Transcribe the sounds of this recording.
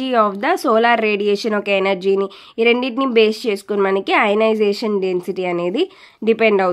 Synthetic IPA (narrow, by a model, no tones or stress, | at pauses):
iɔːfd̪ɐsoːlaːɾːeːɖijeːʃɐnɔkɐenɐɾd͡ʒiːni | ɾeɳɖiʈnibe̞ːst͡ʃe̞ːsu̥kunɐmɐnikiɐjnɐjd͡ʒeːʃɐnɖe̞nsiʈiɐne̞ːd̪i | ɖipeɳɖɐw